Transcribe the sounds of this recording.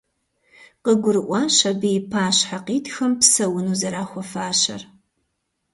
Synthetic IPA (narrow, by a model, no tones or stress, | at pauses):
qəɡʷʊɾɨʔʷɑːɕɐbijpʰaːɕħaqiːtʰxɐmpsɐwʊnuːzɐɾaːxʷɔfaːɕɐ̰r